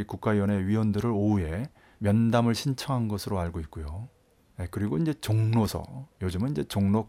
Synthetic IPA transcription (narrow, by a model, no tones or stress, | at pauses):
ikuk̚k͈aijwʌne̞ɥiwʌndɯɾɯɾoue̞ | mjʌndamɯɭɕʰint͡ɕʰʌŋɦanɡʌsʰɯɾoaɭɡoit̚k͈ojo | jekɯɾiɡoind͡ʑe̞t͡ɕoŋnosʰʌ̰jod͡ʑɯmɯniɲd͡ʑe̞t͡ɕoŋnok